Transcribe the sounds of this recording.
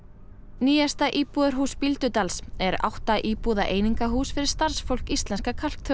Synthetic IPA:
niːjast̪aʔiːpuðaɾɦuːspilt̪ʏt̪alsɛɾa̰wht̪aʔiːpuːðaʔeːjniŋkaɦuːsfɪɾɪɾ̥st̪aɾ̥sfowl̥kist̪lɛnskakʰal̥k̚t̪ʰœ

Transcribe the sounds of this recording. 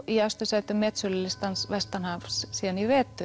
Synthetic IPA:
iast̪ʏsɛt̪ʏmːɛːt̪sʏlɪlɪst̪ansvɛst̪anhafssɛnivɛːt̪ʏ

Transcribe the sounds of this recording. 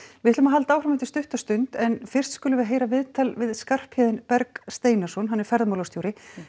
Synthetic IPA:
vɪt̪lʏmaɦalt̪aːwfɾamɛht̪ɪ̥st̪ʏht̪ast̪ʏnt̪ɛnfɪr̥t̪skʏːlʏvɛːɾaɦeːjɾavɪðt̪ʰalvɪðskar̥phɪːðɪnpɛɾkst̪eːjnḁsɔnɦanːɛɾ̥fɛɾðmawlast̪juːɾɪ

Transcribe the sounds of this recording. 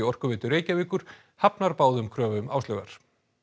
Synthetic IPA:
ɪɔr̥kʏvɪːt̪ʏɾeːjcaviːkʏɾ̥ | hapnaɾpaːwðʏmkʰɾœːvʏma̰wsœɣa̰ɾ̥

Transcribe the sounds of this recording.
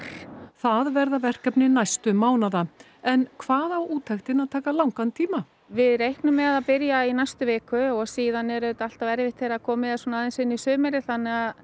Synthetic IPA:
θaðvɛɾðavɛr̥kœpnɪnajst̪ʏmaːwnaða | ɛnkʰvaːðawʔuːt̪ʰajxt̪ɪnaðt̪ʰaːkalawŋkant̪ʰiːma | vɪðɾejhknʏmːɛðaðpɪɾjainajst̪ʏvɪːkʏɔɣsiːðanɛɾʏʏt̪al̥t̪avɛɾvɪht̪θejɾakʰɔːmɪðasɔnaːðɪnsɪnːisœːmɛɾɪθanːɛɣað

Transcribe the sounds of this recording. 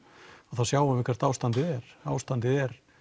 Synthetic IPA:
aðθasjaːwvavɪkʰvɛɾt̪aːwst̪ant̪ɪðɛɾ̥a̰ːwst̪ant̪ɪðɛɾ

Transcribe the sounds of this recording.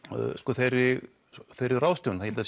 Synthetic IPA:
skɔθejɾɪ | θejɾɪrawst̪ɔwnθaçɛlt̪as

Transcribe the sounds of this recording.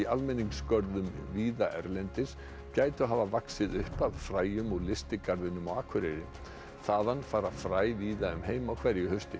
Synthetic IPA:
ialmɛnːiŋskœɾðʏmviːðaʔɛɾlɛnt̪ɪs | caːjt̪ɪɔɦaːvavaksɪðʏhpaðfɾaːjʏmɔɣlɪst̪ɪkaɾðɪnːʏmɔaːkʰvʏɾeɾɪ̰ | θaðanːfaːɾafɾaːjviːðaʏmɦeːjmawkʰvɛɾjʏhœst̪ɪ

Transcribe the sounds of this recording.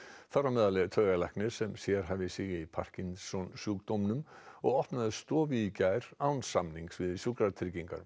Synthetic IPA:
θaramɛːðalɛɣt̪ʰœːɣalajhknɪɾ̥sɛmsjɛɾ̥ɦavɪsɪːɣɪipʰa̰r̥cinsɔnsuːk̚t̪ɔmnʏmɔɣɔhpnaðɪst̪ɔːvicajɾawnsamniŋksvɪðsjukɾaɾt̪ʰɾɪɾciŋka̰ɾ

